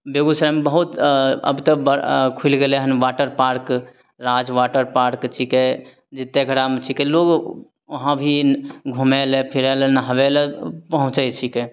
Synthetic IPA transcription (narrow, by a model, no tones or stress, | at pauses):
beɡusɾambəɦut̪ə̰bt̪əbəkʰulɡelɛɦənʋaʈəɾpaɾk | ɾad͡ʒʋaʈəɾpaɾkt͡ʃʰikɛ | d͡ʒit̪ːeɡʱəɽamet͡ʃʰikɛloɡ | əɦãbʱiɡʱumɛlepʰiɾɛlɛnəɦəʋɛlɛpəɦũt͡ʃəjt͡ʃʰikɛ